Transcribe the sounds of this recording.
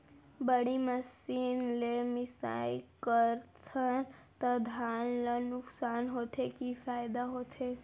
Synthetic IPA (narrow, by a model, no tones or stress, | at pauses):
bəɽiməsiːnlemɪsa̰ːikəɾt̪ʰənt̪əd̪ʱaːnlanʊksaːnɦoːt̪ʰekifaːjd̪aɦoːt̪ʰeː